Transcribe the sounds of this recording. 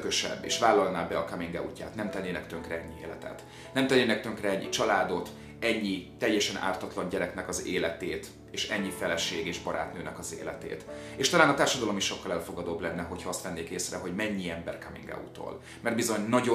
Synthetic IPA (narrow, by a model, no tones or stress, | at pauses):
køʃɛ̰bːḛːʃvaːlːɒlnaːbɛɒkɒmiŋɡɛ̰ṵcːa̰ːt̪nɛmt̪ɛnːeːnɛkt̪øŋkrɛɛɲːiḛːlɛ̰t̪ɛ̰t̪ | nɛmt̪ɛnːeːnɛk̚t̪øŋkrɛɛɲːḭt͡ʃɒlaːd̪o̞t̪ | ɛɲːit̪ɛjːɛʃɛna̰ːrt̪ɒt̪lɒɲɟɛɾɛknɛkɒzeːlɛt̪eːt̪ | eːʃɛɲːifɛlɛʃeːɡeːʒbɒɾa̰ːt̪nøːnɛkɒzḛːlɛ̰t̪ḛːt̪eːʃt̪ɒlaːnɒt̪aːrʃɒd̪ɒlo̞miʃːo̞kːɒlɛlfo̞ɡɒd̪oːblɛnːɛɦo̞chɒɒst̪mɛnːeːkeːsrɛɦo̞ɟmɛɲːiɛmbɛ̰rkɒmḭŋɡɛ̰ṵt̪o̰ːl | mɛrd̪bizo̞ɲnɒɟo